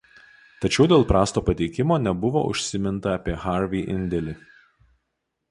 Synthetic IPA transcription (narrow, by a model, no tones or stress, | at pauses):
t̪ɐt͡ʃʲɛʊd̪ʲeːlˠpɾɑːst̪oːpɐt̪ʲɛɪkʲɪmoːnʲɛbʊʋo̰ʔʊ̰ʃʲsʲɪmʲɪnt̪ɐɐpʲiɛxɑˑɾʋʲiːʔɪ̰nʲd̪ʲɛlʲi